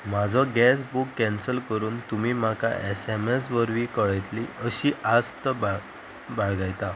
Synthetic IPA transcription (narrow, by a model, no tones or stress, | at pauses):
mad͡zʱɔɡɛsbukːɛ̃nsəlkəɾuːnt̪umiːmaka̰ʔesemes̬ʋəɾʋikəɭəjt̪liəɕiːad͡zt̪əba | baɭɡajt̪a